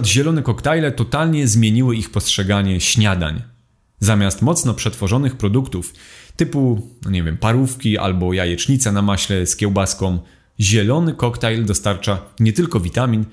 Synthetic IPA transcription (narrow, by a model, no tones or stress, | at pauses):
d̪ʑɛlɔnɛkɔkt̪ajlɛt̪ɔt̪alɲɛzmʲjeɲiwɘixpɔstʂɛɡaɲɛɕɲad̪a̰ɲ | zamʲast̪mɔt̪snɔpʂɛt̪fɔʐɔnɘxpɾɔd̪ukt̪uft̪ɘpunɔɲɛvʲjɛmpaɾufkʲiʔa̰lbɔjajɛt͡ʂɲit̪sanamaɕlɛskʲɛwbaskɔ̃m | ʑɛlɔnɘkɔkt̪ajld̪ɔst̪aɾt͡ʂaɲɛt̪ɘlkɔvʲit̪amʲin